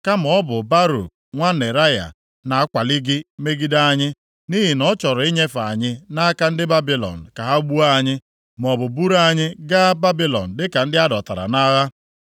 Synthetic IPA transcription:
ka˦m̩˨ɔ˦bʊ˨ba˦ɾo̰˨ | ŋʷa˦ne˨ɾa˦ja̰˨ | na˨a˦kʷa˨lɪ˦ɡɪ˦me˦ɡi˦da˦a˦ɲɪ˦ | ni˦ɦɪ˨nɔ˦t͡ʃɔ˨ɾɔ˨i˦ɲe˦fa˨a˨ɲɪ˦na˦ka˦n̩˦dɪ˦ba˦bi˨lɔ̰˨n̩˨ka˨ɦa˦u˦ɡ͡bu˦a˦ɲɪ˦ | m˨ɔ˨bʊ˨bu˦ɾa˦˨ɲɪ˦ɡa˦ba˦bi˦lɔ̰˨n̩˨dɪ˦ka˨n̩˦dɪ˦a˦dɔ˨ta˨ɾa̰˨na˦ɣa˦

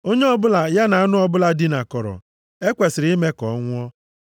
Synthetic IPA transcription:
o˦ɲe˦ɔ˦bʊ˦la˨ja˦na˨a˦nʊ˦ɔ˦˨bʊ˦la˦di˦na˨kɔ˨ɾɔ̰˨ | e˦kʷe˨sɪ˨ɾi˦me˦kɔ˨˦ŋʷ˦ɔ˦

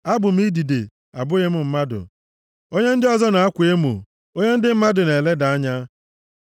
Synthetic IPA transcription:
a˦bʊ˨m̩˦i˦di˨de˨ | a̰˨bʊ˦ɣe˦m̩˨m̩˦ma˦dʊ̰˨ | o˦ɲe˦n̩˦dɪ˦ɔ˦zɔ˦na˨a˦kʷe˦mṵ˨ | o˦ɲe˦n̩˦dɪ˦m̩˦ma˦dʊ˨ne˨le˦da˨a˦ɲa˦

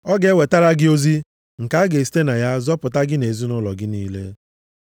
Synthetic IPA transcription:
ɔ˦ɡe˦we˨ta˦ɾa˦ɡɪ˦o˦zi˦ | ŋ̩˨ka˨˦a˦ɡe˨si̥˦te˦na˨ja˦zɔ˦pʊ˨ta˦ɡɪ˦ne˨zu˦nʊ˦lɔ̰˨ɡɪ˦niː˦lḛ˦

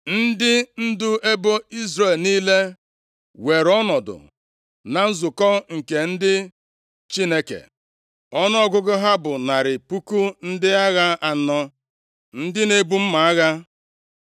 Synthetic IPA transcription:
n̩˦dɪ˦n̩˦dʊ˦e˦bo˦i˦zɾe˦˨lniː˦le˦ | we˨ɾɔ˦nɔ˨dʊ̰˨ | na˨n̩˦zʊ˨kɔ˦ŋ̩˨ke˨n̩˦dɪ˦ | t͡ʃi˦ne˦kḛ˨ | ɔ˦nɔ˦ɔ˦ɡʊ˦ɡʊ˦ɦa˦bʊ˨na˨ɾɪ˨pu˦ku˦n̩˦dɪ˦a˦ɣa˦a˨nɔ˦ | n̩˦dɪ˦ne˦bu˦m̩˦ma˨a˦ɣa˦

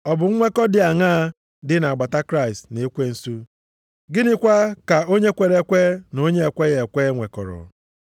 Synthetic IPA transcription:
ɔ˨bʊ˨ŋ̩˦ŋʷe˦kɔ˦dɪ˨a˨ŋa˦ | dɪ˦na˨a˨ɡ͡ba˨ta˦kɾa˦˨ɪ˨stne˨e˦kʷe˦n̩˦su˦ | ɡɪ˦nɪ˦kʷa˦ka˨o˦ɲe˦kʷe˨ɾe˦kʷe˦no˦ɲe˦e˨kʷe˦je˨kʷe˦ŋʷe˨kɔ̰˨ɾɔ̰˨

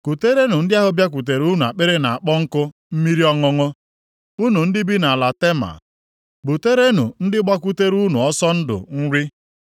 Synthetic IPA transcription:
ku˨te˦ɾe˦nu˨n̩˦dɪ˦a˦ɦʊ˦bja˦k̬u˨t̬e˨ɾu˦nu˨a̰˨k͡pe˦ɾe˦na˨a˨k͡pɔ˦ŋ̩˦kʊ˦ | m̩˦mi˦ɾi˦ɔ˦ŋʊ˦ŋʊ˦ | u˦nu˨n̩˦dɪ˦bi˦na˨la˨te˦ma̰˨ | bu˨te˦ɾe˦nṵ˨n̩˦dɪ˦ɡ͡ba˦kʷu˦te˦ɾu˦nu˨ɔ˦sɔ˦n̩˦dʊ̰˨ŋ̩˦ɾɪ˦

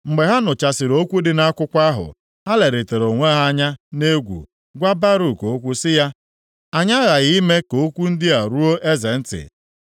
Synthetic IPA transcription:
ŋ͡m̩˨ɡ͡be˨ɦa˦nʊ˨t͡ʃa˨sɪ˨ɾo˦kʷu˦dɪ˦na˦kʷʊ˦kʷa˦ɦʊ̰˨ | ha˦le˨ɾe˨te˨ɾo˨ŋʷe˦ɦa˦a˦ɲa˦ne˦ɡʷṵ˨ | ɡʷa˦ba˦ɾu˨ko˨˦kʷu˦sɪ˦ja˦ | a˨ɲa˦ɣa˨ɣi˦me˦ko˨o˦kʷu˦n̩˦dɪ˦a˨ɾu˦o˦ʔe˦ze˨n̩˦tɪ̰˨

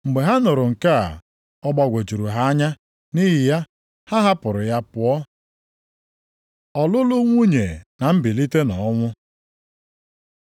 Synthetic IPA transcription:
ŋ͡m̩˨ɡ͡be˨ɦa˦nʊ˨ɾʊ˨ŋ̩˨ka̰˦˨ | ɔ˦ɡ͡ba˦ɡʷe˨t͡ʃu˨ɾu˨ɦa˦a˦ɲa˦ | ni˦ɦɪ˨ja˦ | ha˦ɦa˦pʊ˨ɾʊ˨ja˦pʊ˨ɔ˦ | ɔ˨lʊ˦lʊ˦ŋʷu˦ɲe˨na˨m̩˦bi˨li˦te˦nɔ˨˦ŋʷʊ˦

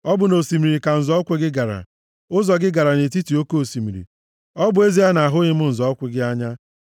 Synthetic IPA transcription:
ɔ˦bʊ˨no˨si˨mi˨ɾi˨ka˨n̩˨zɔ˦kʷɪ˦ɡɪ˦ɡa˨ɾa̰˨ | ʊ˦zɔ˨ɡɪ˦ɡa˨ɾa˨ne˨t̬i˦ti˨o˦ko˦o˨si˨mi˨ɾḭ˨ | ɔ˦bʊ˨˦e˦zi˦a˦na˨ɦʊ˦ɲɪ˦mʊ˦n̩˨zɔ˦kʷɪ˨ɡɪ˦a˦ɲa˦

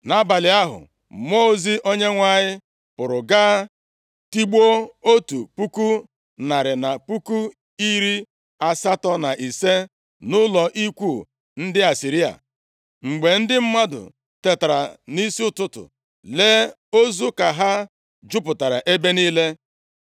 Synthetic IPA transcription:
na˦ba˨lɪ˨a˦ɦʊ̰˨ | mo˦zi˦ʔo˦ɲe˦ŋʷa˦ɲɪ˦ | pʊ˨ɾʊ˨ɡaː˦ | ti˦ɡ͡bo˦o˦tu˨pu˦ku˦ | na˨ɾɪ˨na˨pu˦ku˦ | i˦ɾi˦ | a˨sa˦tɔ˦na˨ʔi˨se˦ | nʊ˦lɔ˨ʔi˦kʷu˦˨ | n̩˦dɪ˦a˨si˨ɾi˦a̰˨ | ŋ͡m̩˨ɡ͡be˨n̩˦dɪ˦m̩˦ma˦dʊ̰˨ | te˨ta˨ɾa̰˨ni˦si˦ʊ˦tʊ˦tʊ̰˨ | le˦ | o˦zu˦ka˨ɦa˦ | d͡ʒʊ˦pʊ˨ta˨ɾa̰˨ʔe˦be˦niː˦le˦

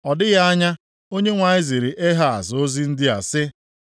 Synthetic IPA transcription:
ɔ˨dɪ˦ɣa˦a˦ɲa˦ | o˦ɲe˦ŋʷa˨ɲɪ˦zi˨ɾɪ˨ʔe˦ɦa˨a̰˨zo˦zi˦n̩˦dɪ˦a̰˨sɪ˦

